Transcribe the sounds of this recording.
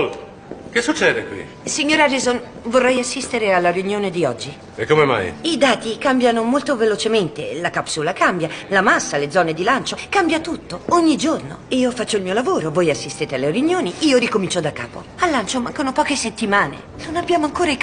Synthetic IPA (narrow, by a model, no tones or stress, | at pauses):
l | kesːut͡ʃːɛːd̪ekwḭ | siɲːoːɾaɾizon | vorːɛjasːist̪eɾealːaɾjunjoːned̪iɔd͡ʒːi | ekːomema̰jid̪aːt̪ikambjanomolt̪ovelot͡ʃement̪ḛlakapsuːlakambjalamasːaled̪zɔːned̪ilant͡ʃokambjat̪ut̪ːooɲːid͡ʒorno̰iːofat͡ʃːoilmiːolavoːɾovoːjasːist̪eːt̪ealːerjunjoːniiːoɾikomint͡ʃod̪akːa̰ːpo̰ | alːant͡ʃomaŋkonopɔːkeset̪ːimaːnḛ | nonabːjaːmoaŋkoːɾa